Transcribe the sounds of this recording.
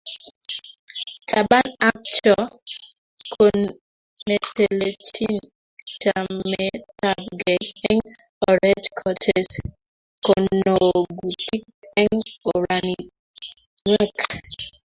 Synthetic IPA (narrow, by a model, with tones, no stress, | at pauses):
tʰa˨ba˦na˦k̚t͡ʃɔ˦ | kʰo˨n | me˨te˨le˨t͡ʃi˦n | ta˨me˨˦ta˨b̚ɡɛ˨ɛ˦ŋɔ˨ɾɛ˦d͡ʒkʰɔ˨tʰɛ˨s | ko˨no˨ɡu˨ti˦k̚ | ɛ˦ŋo˨ɾa˨ni˨ | ŋwɛ˦k